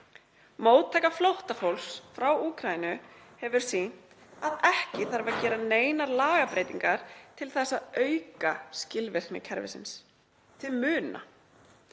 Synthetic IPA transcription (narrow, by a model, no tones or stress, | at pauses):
moːwt̪ʰːajkaflowht̪afowlsfɾawuːkʰɾajinʏhɛvʏɾ̥sin̥t̪ | aðɛhcɪθaɾvacɛːɾaneːjnaɾlaːɣapɾeːjt̪iŋkaɾ̥t̪ʰɪlθɛsːaðœɥkascɪlvɪr̥nɪ̰cʰɛɾvɪ̰sɪ̰ns | t̪ʰɪlmʏːna̰